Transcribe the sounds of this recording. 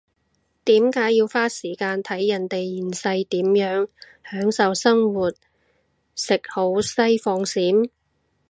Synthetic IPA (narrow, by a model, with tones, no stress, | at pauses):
t̪iː˨˥mkaː˨˥jjiː˧wfaː˥siː˨˩kaː˧nt̪ʰɐ˨˥jːɐ˨˩nt̪e˨jjiː˨˩nsɐ˧jt̪iː˨˥mjœː˨˥ŋ | hœː˨˥ŋsɐ˨wsɐ˥ŋwuː˨˩t̚ | sɪ˨k̚ho˨˥wsɐ˥jfɔː˧ŋsiː˨˥m